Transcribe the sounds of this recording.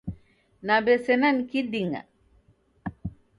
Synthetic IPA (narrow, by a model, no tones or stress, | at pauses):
nabesenankidiŋa̰